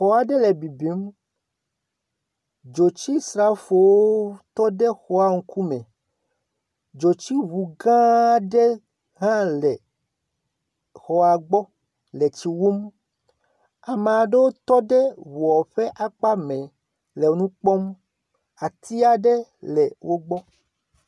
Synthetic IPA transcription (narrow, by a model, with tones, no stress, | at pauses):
xɔ˨a˨ɖe˦le˨bi˨bi˨˦m | d͡ʒo˨t͡ɕi˦sɾa˦fo˨woo˦t̪ɔ˦ɖe˦xɔ˦a˦ŋ̩˨˦ku˦mɛ̃˨ | d͡ʒo˨t͡ɕi˦βu˨ɡã˦ɖe˦ | ɦã˦lɛ˨ | xɔ˨a˨ɡ͡bɔ˦ | le˨t͡ʃi˨wu˦m | a˨me˨a˨ɖe˦wo˦t̪ɔ˦ɖe˦wu˨ɔ˨ɸe˦ʔa˦k͡pa˦mẽ˨ | le˨wo˦nũ˦k͡pɔ˦m | a˨t̪i˦a˨ɖe˦lɛ˨wʔo˦ɡ͡bɔ˦